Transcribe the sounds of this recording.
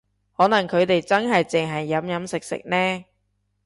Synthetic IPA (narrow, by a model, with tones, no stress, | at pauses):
hɔː˨˥nɐ˨˩ŋkʰɵ˨˧ɥt̪e˨jt͡sɐ˥nɦɐ˨jt͡sɪ˨ŋɦɐ˨jːɐ˨˥mjɐ˨˥msɪ˨k̚sɪ̰˨k̚nɛː˥